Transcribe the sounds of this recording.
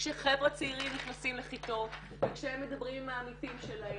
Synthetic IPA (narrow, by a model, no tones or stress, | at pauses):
ʃeχevʁat͡seiʁimniχnasimleχit̪o̞ | vekʃehemːed̪abʁimmaːmitimʃelae